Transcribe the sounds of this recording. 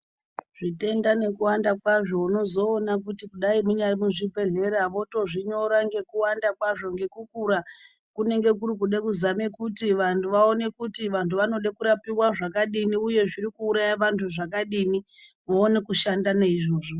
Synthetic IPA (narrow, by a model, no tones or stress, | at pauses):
ʐ̥ite̞ndane̞kuwandakwaʐo̞uno̞zo̞ːnakutikuɗaimuɲarimuʐipe̞ɮe̞ɾaʋo̞to̞ʐiɲo̞ɾaŋɡe̞kuwandakwaʐo̞ŋɡe̞kukuɾa | kune̞ŋɡe̞k̬uɾik̬uɗekuzamekutiʋantʰuʋao̞ne̞kutiʋantuʋano̞ɗekuɾapiwaʐakaɗiniuje̞ʐiɾikuːɾajaʋantʰuʐakaɗini | ʋoːne̞kuʃandaneiʐo̞ːʐo